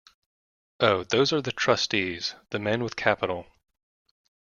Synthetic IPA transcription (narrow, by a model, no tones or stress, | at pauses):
oʊðoʊzə˞ðɨtʰɹ̥ʌstiz̥ðɨmɛ̃nwəð̥kʰæpəɾl̩ˠ